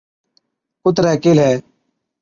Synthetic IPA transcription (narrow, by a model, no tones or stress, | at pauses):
kʊt̪̬ɾɛːkɪlɦɛː